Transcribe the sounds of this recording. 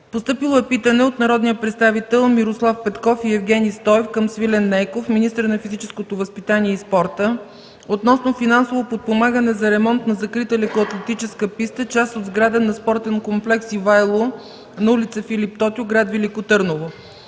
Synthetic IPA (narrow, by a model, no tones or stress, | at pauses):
post̪ɤpilˠɛpit̪ənɛot̪nɐɾɔd̪nijəpɾɛt̪st̪avit̪ɛlˠmiɾoslˠafpɛt̪kɔfiɛvɡʲɛnist̪ɔɛfkəmsvilɛnːɛjkofminist̪əɾnɐfizit͡ʃɛskot̪ovɐspit̪aniɛispɔɾt̪ə | ot̪nɔsnofinansovopot̪̚pomaɡənɛzɐɾɛmɔnt̪nɐzɐkɾit̪əlɛkoɐt̪lɛt̪it͡ʃɛskəpist̪ət͡ʃast̪od̪zɡɾad̪ənɐspɔɾt̪ɛnkomplɛksivajlˠo | nɐulit̪səfilip̚t̪ɔt̪ʲjoɡɾad̪vɛlikot̪ɤɾnovo